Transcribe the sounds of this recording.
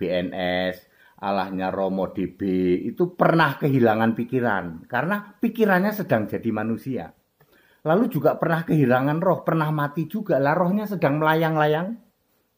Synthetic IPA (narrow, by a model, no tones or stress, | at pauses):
b̥eɛnʔɛs | ʔa̰la̰hɲarɔmɔd̥eb̥eḭt̪upərnahkəɦilaŋanpikiɾa̰nkarənapikiɾanɲasəd̥aŋd͡ʒ̥a̤di̤manusia̰ | lalud͡ʒuɡaʔpərnahkəɦilaŋanrɔhpərnahmat̪i̥d͡ʒ̥uɡaʔlahrɔhɲasədaŋməlajaŋlajaŋ